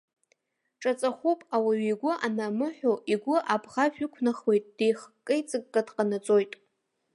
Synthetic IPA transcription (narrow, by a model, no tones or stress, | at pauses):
ʈ͡ʂʼat͡sʼaχʷupʼawaɥiɡʷʊʔanamɨħʷᶣoʔiɡʷʊʔabʁaʒᶣʏkʷʰnaχwejtʼd̥ejχkʼːɨjt͡sʼɨkːʼadqʼanat͡sʼojtʼ